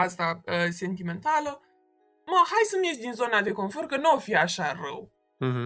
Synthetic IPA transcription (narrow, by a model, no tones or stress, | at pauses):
ast̪aəse̞nt̪ime̞nt̪alə | məhajsəmjet͡ʃʲd̪inzo̞nad̪e̞ko̞nfo̞rkənuafiaʃarəw̩